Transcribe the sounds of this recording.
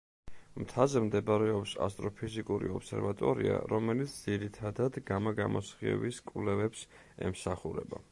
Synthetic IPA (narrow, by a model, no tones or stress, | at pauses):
mt̪ʰazɛmd̪ɛbɾɛɔpsa̰st̪ʼɾɔpʰizikʼuɾḭɔpsɛɾvat̪ʼɔɾia̰ɾɔmɛlit̪sʰd̪ziɾit̪ʰad̪ad̪ɡamaɡamɔsχiɛ̰biskʼvlɛvɛps | ɛmsaχuɾɛba